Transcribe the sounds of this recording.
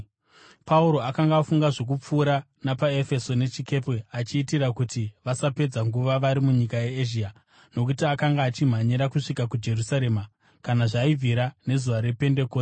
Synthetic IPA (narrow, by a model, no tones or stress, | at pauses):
pʰauɾo̞akaŋɡaːfuŋɡaʐo̞k̬up͡fuːɾa | napae̞fe̞so̞ne̞t͡ʃike̞peat͡ʃiːtiɾakutiʋasape̞d͡zaŋɡuʋaʋaɾimuɲikajeːʒia | no̞k̬utiakaŋɡaːt͡ʃim̤aɲiɾakuʂikakud͡ʒe̞rusaɾe̞ːma | kanaʐaivʱiɾane̞zuʋaɾe̞pe̞nde̞kose